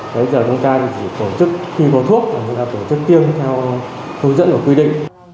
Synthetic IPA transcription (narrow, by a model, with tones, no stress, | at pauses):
ɓə˨˧˦jzəː˨˩t͡ɕʊ˨˧˦ŋ͡mt̪aː˧t̪ʰi˨˩t͡ɕʰi˧˩t̪o˧˩t͡ɕɨ˦˥k̚xi˧kɔ˨˦t̪ʰu˦˥ək̚vaː˨˩ɲ̰˨˧˦ŋtaː˧˩t̪o˧˩t͡ɕɨ˦˥k̚t̪i˧əŋt̪ʰɛ˧w | hɨ˧əŋzə̰˧˥nku˧˩kwi˧ɗḭ˧˨ŋ̟